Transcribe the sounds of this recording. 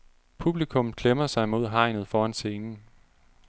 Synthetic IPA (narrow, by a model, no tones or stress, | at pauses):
pʰub̥likʰɔ̽m̩kʰlemɐsɑ̈ɪmo̝ð̞̰ˠɦɑ̈ɪ̰nð̞̩ˠfɒːænse̝ːnn̩